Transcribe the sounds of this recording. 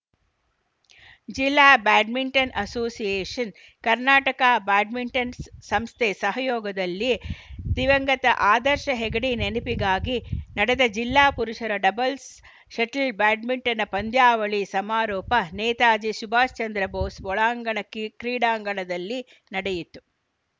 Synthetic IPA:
d͡ʒilːaːbaːɖmiɳʈɐnʔɐsoːsijeːʂɐn | kɐɾnaːʈɐkaːbaːɖmiɳʈɐnsɐmst̪ʰesɐɦɐjɔːɡɐd̪ɐlːid̪iʋɐŋɡɐt̪ɐ̰ʔaːd̪ɐɾʃɐɦɛɡɐɽinenipiɡaːɡinɐɽɛd̪ɐd͡ʒilːaːpuɾuʂɐɾɐɖɐbɐls | ʃɐʈɐlbaːɖmiɳʈɐnɐpɐnd̪jaːʋɐɭisɐmaːɾɔːpɐneːt̪aːd͡ʒiʃubʱaːst͡ʃɐnd̪ɾɐboːsʋɔɭaːŋɡɐɳɐkːikɾiːɽaːŋɡɐɳɐd̪ɐlːi | nɐɽɛjit̪ːu̥

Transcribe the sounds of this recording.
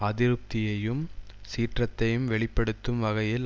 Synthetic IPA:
ɐðɪɾɯp̚t̪ɪjɐjɯmsiːʈrɐt̪ːɐjɯmʋɛɭɪpːɐɽɯt̪ːɯmʋɐɣɐjɪl

